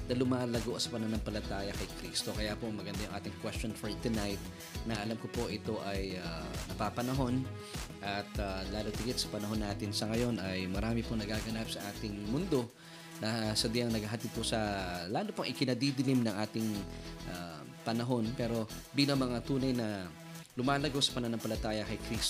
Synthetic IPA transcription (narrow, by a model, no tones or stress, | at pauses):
d̪ɐlʊmaːlɐɡoʔɐsɐ̥pɐnɐonɐŋpɐlɐt̪aːjɐkɐjkɾiːst̪o̞kɐjapoɐŋmɐɡɐnd̪ajʊŋʔa̰ːt̪ɪŋkwɛst͡ʃo̞nfoɹt̪ʊnajt̪̚ | nɐʔɐlamkopo̞ʔɪt̪o̞ʔɐjanɐpapɐnɐɦo̞n | ʔɐt̪alaːlot̪ɪɡɪt̪̚sɐ̥pɐnɐɦo̞nːaːt̪ɪnsɐŋɐjo̞nɐjmɐɾaːmɪponɐɡaːɡɐnap̚sɐʔaːt̪ɪŋmʊnd̪o̞ | nɐsɐd̪ɪɐŋnɐɡaɦɐt̪ɪd̪̚posɐlaːlopɐŋʔɪkɪnɐd̪id̪ɪlimnɐŋʔaːt̪ɪŋʔa | pɐnɐɦo̞npɛːɾo̞biːlɐŋmɐŋat̪uːnɐjnɐ | lʊmaːlɐɡo̞sɐ̥pɐnɐnɐŋpɐlɐt̪aːjɐkɐjkɾist